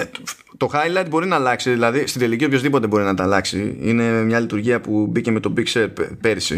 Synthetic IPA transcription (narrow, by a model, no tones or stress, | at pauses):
t̪o̞xɐjlɐjd̪̚bo̞ɾinɐlɐksiðilɐðist̪iðelicio̞pço̞zðipo̞t̪e̞bo̞ɾinɐt̪ɐlɐksḭḭne̞mɲɐlit̪uɾʝiɐpubice̞me̞t̪o̞bikseɾepe̞ɾisḭ